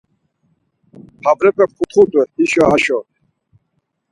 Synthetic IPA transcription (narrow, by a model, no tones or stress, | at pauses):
pʰabɾɛpʼɛp̚kʰut̪χut̪ʼwɛiʃɔaʃɔ